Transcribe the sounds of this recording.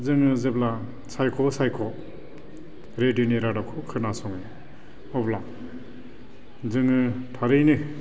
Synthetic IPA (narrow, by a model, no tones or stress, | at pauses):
zɯŋɯzepla | sajkʰɔsajkʰɔ | ɾeduniɾadakʰɔkʰɯnasɔŋɯ | ɔbla | zɯŋɯtʰaɾɯjnɯ